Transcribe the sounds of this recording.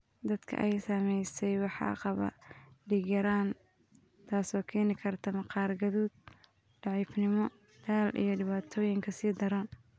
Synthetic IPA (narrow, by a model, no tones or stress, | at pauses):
d̪ɐd̪̥kʰɐ̰ʔɛjsɐmɛjsɛjwɑħɑ̰ːqɑβɐ̰ɖiːɡɐɾaːn | t̪ʰaːsɔːkʰɛːnɪkʰɐrt̪ʰɐmɐqɑːrɡɐðuːd̪̚ | ɖ̥ɑʕiːfnɪmɔ | d̪aːlʔḭjɞɖɪβaːt̪ʰɔːjɪŋkʰɐsiːd̪ɐɾɐn